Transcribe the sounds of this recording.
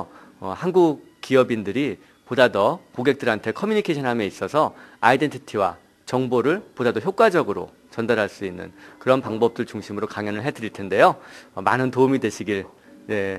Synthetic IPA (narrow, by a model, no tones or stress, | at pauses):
hanɡuk | k͈ːiʌbindɯɾi | podadʌkoɡe̞k̚t͈ɯɾɦantʰe̞kʰʌmjuɲikʰeɕʰʌnɦamjeis͈ʌsʰʌa̰ide̞ntʰitʰiwa̰ | t͡ɕʌŋboɾɯɭpodadʌçjok͈wad͡ʑʌɡɯɾo̰ | t͡ɕʌndaɾɦaɭs͈uinːɯ̰nkɯɾʌnpaŋbʌp̚t͈ɯɭt͡ɕuŋɕʰimɯɾokaŋjʌnɯɭɦe̞dɯɾiɭtʰe̞nde̞joma̰nɯntoumidwe̞ɕʰiɡiɭ | ne̞